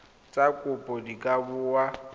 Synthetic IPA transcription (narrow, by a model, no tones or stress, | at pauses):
t͡sʼakʼʊpʼɔdikʼabʊwa